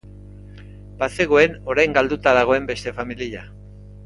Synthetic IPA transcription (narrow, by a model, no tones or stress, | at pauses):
pase̞ɣo̞e̞no̞ɾajŋɡald̪ut̪aðaɣ̞o̞e̞mbe̞st̪e̞familiʎa